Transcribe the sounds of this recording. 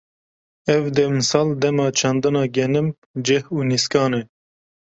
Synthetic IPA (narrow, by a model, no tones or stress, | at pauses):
ɛvd̪ɛmɨsɑːld̪ɛmɑːt͡ʃʰɑnd̪ɑnɑːɡɛnɨm | d͡ʒɛhuːniskɑːnɛ